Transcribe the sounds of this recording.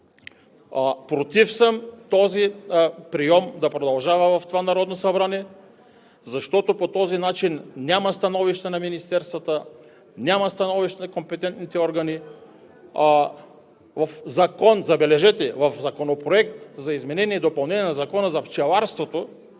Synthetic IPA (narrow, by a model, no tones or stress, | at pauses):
pɾot̪ifsəmt̪ɔzipɾijɔmd̪ɐpɾod̪ɐlˠʒavɐvɐft̪ovanaɾɔd̪nosabɾaniɛ | zaʃt̪ɔt̪opot̪ɔzinat͡ʃinːʲjamɐst̪anɔviʃt̪ɛnaminist̪ɛɾst̪vɐt̪ə | nʲjamɐst̪ɐnɔviʃt̪ɛnakompɛt̪ɛnt̪nit̪ɛɔɾɡɐni | vɐfzakɔnzɐbɛlɛʒɛt̪ɛvɐfzɐkonopɾoɛkt̪zaizmɛnɛniɛd̪opɐlˠnɛnʲiɛnazakɔnəzɐft͡ʃɛlˠaɾst̪vot̪o